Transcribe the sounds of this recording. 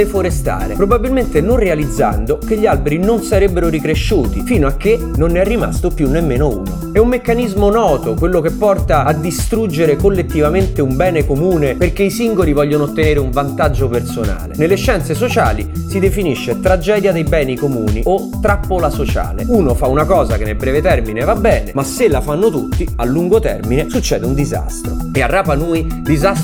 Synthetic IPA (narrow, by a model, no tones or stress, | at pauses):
efoɾest̪a̰ːɾḛpɾobabːilment̪enonrealid̪zːa̰nd̪ok̟eʎːialbeɾinonsaɾebːeɾoɾikɾeʃːuːt̪ifiːnoak̟ːe | nonːɛrːima̰st̪opjunːemːeːnoṵːno̰ | ɛumːekːanizmonɔːt̪okwelːok̟epːɔrt̪aːd̪ːist̪ɾud͡ʒːeɾekolːet̪ːivament̪eumbɛːnekomuːneperk̟eisiŋɡolivɔʎːonoːt̪ːeneːɾeuɱvant̪ad͡ʒːopersona̰ːlḛnelːeʃːɛnt̪ses̬ot͡ʃa̰ːli | sid̪efiniʃːet̪ɾad͡ʒɛːd̪jad̪ejbɛːnikomuːniot̪ːɾapːolasot͡ʃa̰ːlḛuːnofaunakɔːzakenːelbɾɛːvet̪ɛrminevabːɛːnemasːelafanːot̪ut̪ːialːuŋɡot̪ɛ̰rminesut͡ʃːɛ̰ːd̪eund̪iza̰st̪ɾo̰earːaːpanuːjd̪izas